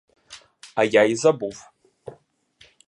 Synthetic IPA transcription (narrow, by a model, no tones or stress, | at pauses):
ajajzabufʼ